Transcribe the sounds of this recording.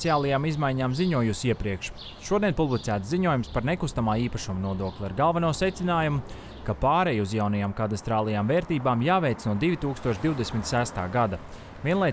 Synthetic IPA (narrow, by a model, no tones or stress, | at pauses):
siaːlˠajaːmizmajɲaːmziɲuɔjusiɛpɾiɛkʃ | ʃuɔiɛnpublˠit̪sæːt̪ziɲuɔjumspaɾnekust̪amaːiːpaʃumunuɔd̪uɔklʲˠiaɾɡalˠvanuɔsɛt̪sinaːjumu | kapaːɾɛjuzjawnajaːmkat̪ast̪ɾaːlˠajaːmvɛːɾt̪iːbaːmjaːvɛjt̪snuɔd̪ivʲit̪uːkst̪uɔʃd̪iwd̪esʲmʲit̪sæst̪a̰ːɡad̪a | viɛnlˠaj